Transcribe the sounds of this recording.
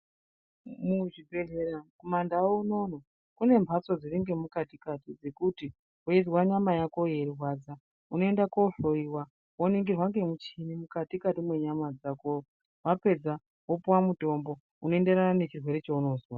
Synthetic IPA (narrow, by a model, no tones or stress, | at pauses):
muʐibʱe̞ɮe̞ɾakomandawouno̞no | kune̞mbʱat͡so̞d͡ziriŋɡe̞mukatikatid͡ze̞kuti | oid͡zwaɲamajako̞je̞ɾirwad͡za | uno̞e̞ndakoɬo̞iwa | woniŋɡirwaŋɡe̞mut͡ʃinimukatikatimwe̞ɲamad͡zako | wape̞d͡za | wopuwamuto̞mbo̞ | unoe̞nde̞ɾanane̞t͡ʃirwe̞ɾe̞t͡ʃouno̞ːzwa